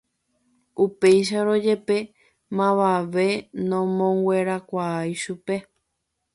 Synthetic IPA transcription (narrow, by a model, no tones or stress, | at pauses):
upe̞jʃ̬aɾo̞d͡ʒe̞pe̞ | mãʋaʋe̞nõmõŋɡwʷe̞ɾakʷaajʃupe̞